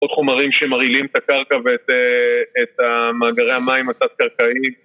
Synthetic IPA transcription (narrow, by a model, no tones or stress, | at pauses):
od̪χomaʁimʃemaʁilimet̪akaʁkavet̪eːt̪amaːɡaʁe̞jhamaimat͡sat̚kaʁkaim